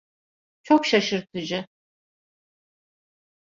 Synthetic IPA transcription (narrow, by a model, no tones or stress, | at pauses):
t͡ʃʰokʰʃɐʃɨɾt̪ʰɨd͡ʒɪ